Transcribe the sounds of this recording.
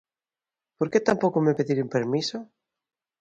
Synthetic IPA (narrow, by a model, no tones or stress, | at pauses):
poɾket̪ampokomepeðiɾumpeɾmiso